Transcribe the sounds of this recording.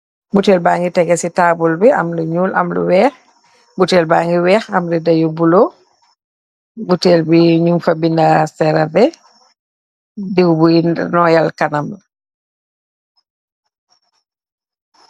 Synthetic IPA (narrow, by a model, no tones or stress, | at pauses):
butɛːlbaːŋɡitɛɡɛsitaːbulbia̰mluɲuːla̰mlṵwɛːx | butɛlbaːŋɡiwɛːxamɾidajɔbulɔ | butɛːlbiɲumfabindasɛɾadɛ | diwbuinnɔjalkanaml